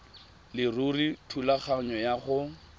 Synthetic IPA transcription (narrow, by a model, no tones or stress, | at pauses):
lɪruritʰulaχaɲɔjaχʊ